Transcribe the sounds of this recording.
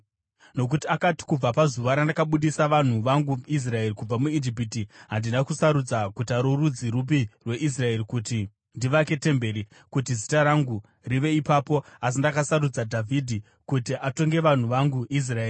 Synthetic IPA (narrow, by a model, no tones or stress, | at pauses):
no̞k̬utiakati̥kub͡vapazuʋaɾandakaɓuɗisaʋan̤uʋaŋɡuis̬rae̞rikub͡vamuid͡ʒipitiɦandinakusaɾud͡zakutaɾorud͡ziɾup̬irwe̞ʔis̬rae̞rikuti | ndiʋake̞te̞mbe̞ɾi | kutizitaɾaŋɡu | riʋe̞ipaːpo̞as̬indakasaɾud͡zadʱavʱidʱi | kutiʔato̞ŋɡe̞ʋan̤uʋaŋɡuʔis̬raeːri